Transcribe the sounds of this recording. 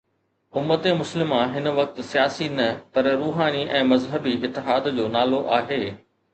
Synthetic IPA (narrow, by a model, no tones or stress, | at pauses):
ʊmːət̪ẽmʊslɪmãɦɪnʋɐk̚t̪sijaːsinɐpɐɾɾuːɦaːniʔɛ̃ːmɐzɦəbiʔɪt̪ːɪɦaːd̪d͡ʑoːnaːloʔaːɦeː